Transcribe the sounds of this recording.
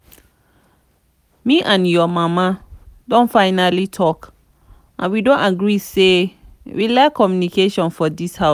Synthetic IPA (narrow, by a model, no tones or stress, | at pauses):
miʔãnjɔmamadõnfãɪnalitʰɔk | ʔã̰nwidõntaɡɹise | wilakʰːɔmjunikeʃɔ̃nfɔdisha